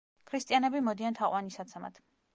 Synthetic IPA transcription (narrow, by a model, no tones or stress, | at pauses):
kʰɾist̪ʼianɛbimɔd̪iant̪ʰaqʼwanisat̪sʰɛma̰t̪ʰ